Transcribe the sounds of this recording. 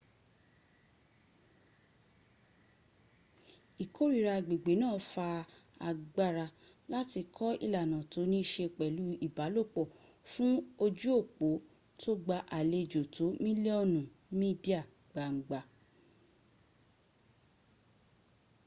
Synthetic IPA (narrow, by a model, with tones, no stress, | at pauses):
i˨kʰo˦ɾi˦˨ɾa˧˨ɡ͡be˨ɡ͡be˨˦nãː˦˨˦fa˧a˨ɡ͡ba˦ɾa˧ | la˦ti˧kʰɔ˦ḭ˦˧la˨nã˨to˧˦nĩ˦i˦˧ʃe˧k͡pɛ˨lu˨˦i˦˨ba˨˦lo˦˨k͡pɔ˦˨ | fũ˦o˧d͡ʒu˦o˦˨k͡po˨˦ | to˦ɡ͡ba˧ʔa˨le˧d͡ʒo˨to˨˦mĩ˦li˦ɔ˦˨nũ˨ | mĩ˦di˦a˦˨ | ɡ͡ba˨ŋ͡m̩˨ɡ͡ba˧